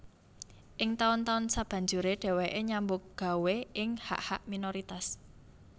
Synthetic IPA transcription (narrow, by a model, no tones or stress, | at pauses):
ʔɪŋt̪aʊnt̪aʊnsab̥ä̤ɲd͡ʒuɾeɖ̥ɛ̤weʔeɲambʊk̚ɡ̥a̤weɪŋha̰ʔha̰ʔminoɾit̪as